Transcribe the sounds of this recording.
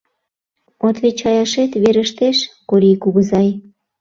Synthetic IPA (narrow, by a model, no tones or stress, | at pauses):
ot̪βet͡ɕɑjɑʃet̪βeɾəʃt̪eʃkoɾikuɣəzɑj